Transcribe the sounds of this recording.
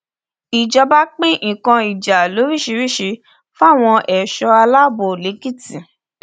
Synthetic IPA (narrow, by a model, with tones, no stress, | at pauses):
i˨d͡ʒɔ˧ba˦k͡pĩ˦ʔĩ˨kã˧i˨d͡ʒa˨lo˨˦ɾi˦˨ʃi˧ɾi˦˨ʃi˧˦ | fa˦˨w̃ɔ̃˧ʔɛ˨ʃɔ˧a˧la˦˨bo˨le˨˦ɡi˦˨ti˨